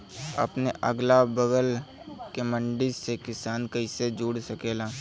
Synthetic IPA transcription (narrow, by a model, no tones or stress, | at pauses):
ɐ̰pneʔəɡlabəɡəl | kemə̃ɳɖisekɪsaːnkɐɪsed͡ʒuːɽsəkeːlaː